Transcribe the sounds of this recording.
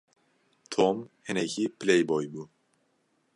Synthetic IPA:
t̪ʰomhɪnecʰipʰɨlejbɔjbuː

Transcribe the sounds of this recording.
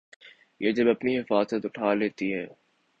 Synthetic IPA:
jʔeːd͡ʒɐbɐpniɦɪfaːzət̪ʊʈʰaːleːt̪iɦɛː

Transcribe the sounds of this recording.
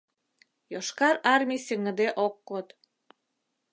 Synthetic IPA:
joʃkɑɾɑrmʲijsʲəŋə̆d̪eʔokːot̪

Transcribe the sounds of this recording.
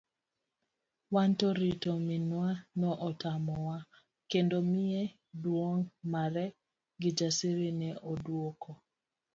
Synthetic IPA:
wantɔɾitominwanɔʔɔtamɔwa | kendomɪe | dwoŋmaɾɛ | ɡɪd͡ʒasiɾinɛʔodwokɔ

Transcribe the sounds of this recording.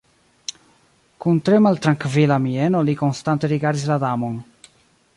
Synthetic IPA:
kunt̪ɾemalt̪ɾaŋkvilamienolikonst̪ant̪e̞ɾiɡaɾd̪islad̪amon

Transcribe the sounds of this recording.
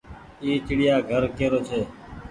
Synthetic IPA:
iːt͡ʃɪɽɪjaːɡʱəɾkeːɾoːt͡ʃʰeː

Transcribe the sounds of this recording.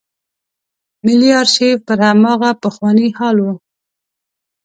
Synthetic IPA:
mɪlijɑɾʃepəɾhamɑɣapəxwɑnihɑlwu

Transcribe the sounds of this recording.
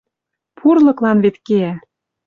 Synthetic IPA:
pʰurlɤ̆klɑnβet̪keæ

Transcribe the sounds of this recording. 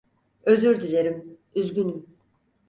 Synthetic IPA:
øzyɾd̪ileɾim | yzɟʲynym

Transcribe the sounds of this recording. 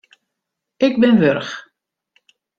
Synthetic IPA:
ɪɡbɪnʋørx

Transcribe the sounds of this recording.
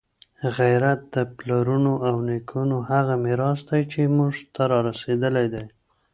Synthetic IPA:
ɣajɾat̪̚d̪əplaɾunoʔawnekʰunohaɣamɪɾɑsd̪ajt͡ʃemuʐt̪aɾɑɾased̪əlajd̪aj

